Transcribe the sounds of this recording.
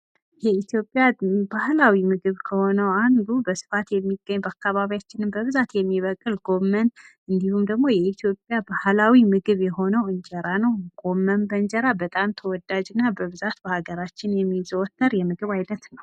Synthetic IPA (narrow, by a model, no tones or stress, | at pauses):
jɛit̪jo̞pʼjabahlawimɨɡɨβkʰəho̞nəwand̪ubəsɨ̥fat̪jɛmːiɡːəɲːbakːaβaβijat͡ʃːɪnɨmbəβɨzat̪jɛmːiβəkʼːɨlɡo̞mːən | ɨnd̪ihumd̪əɡmo̞jɛit̪ʰjo̞pʼjabahlawimɨɡɨβjɛho̞nəwɨɲd͡ʒɛɾanəwɡ̥o̞mːənbəɲd͡ʒəɾabət̪ʼamt̪ʰəwɔd̪ad͡ʒɨnːabəβɨzat̪bəhaɡəɾat͡ʃːɪnjɛmːizəwɔt̪ːəɾjɛmɨɡɨβajnət̪nəw